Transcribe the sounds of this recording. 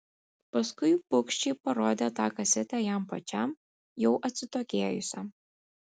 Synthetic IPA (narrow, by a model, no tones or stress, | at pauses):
pɐskʊɪpʊkʃʲt͡ʃʲiːpɐɾoːd̪ʲeːt̪ɑːkɐsʲɪt̪ʲæjæmpɐt͡ʃʲɛm | jɛʊʔɐt̪ʲsʲɪt̪oːkʲeːjʊsʲɛ